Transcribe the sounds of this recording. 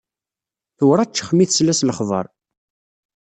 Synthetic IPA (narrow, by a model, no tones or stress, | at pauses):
θuwɾˤæt͡ʃːə̥χmiθslæsləχðˤə̰ɾˤ